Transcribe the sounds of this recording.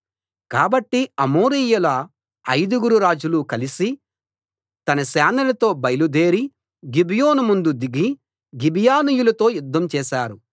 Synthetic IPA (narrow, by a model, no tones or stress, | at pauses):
kaːbɐʈːiɐmoːɾijulɐ | ɐjd̪uɡuɾuɾaːd͡ʒulukɐlisi | t̪ɐnɐsaːnɐlɐt̪o̞ːbɐjɐlud̪eːɾi | ɡibijo̞ːnumund̪ud̪iɡi | ɡibijaːnijulɐt̪o̞ːjud̪ːɐmt͡ʃɛːʃaːɾu